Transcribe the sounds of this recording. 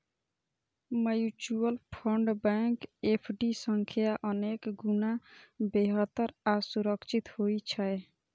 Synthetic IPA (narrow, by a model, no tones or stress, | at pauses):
məjut͡ʃuəlpʰəɳɖbɛŋkepʰɖisə̃ŋkʰijaʔənekɡunabeɦət̪ːəɾasuɾəkt͡ʃʰit̪hoit͡ʃʰəe